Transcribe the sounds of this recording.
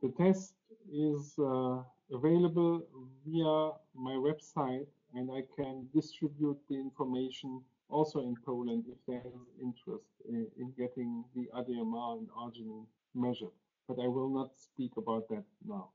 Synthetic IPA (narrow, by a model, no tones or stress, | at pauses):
ðətʰɛstɪz | əveɪləbəl̩viəmaɪwɛb̥saɪt | ɛ̃ndaɪkʰɛ̃ndɪstɹɪbjut̪̚ðiɪ̃nfɔ˞meɪʃn̩ | ʔɔlˠsoʊɪ̃npʰoʊlə̃ndɪfðɛɪzɪ̃ntɹɛstɪ̰̃nɡɛtɪ̃ŋðiʔadiɛmãndaɹd͡ʒɨnɪ̃ | mɛʒə˞ | b̥ataɪwɪlˠnɔtspikəbaʊt̪̚ðæt̚naʊ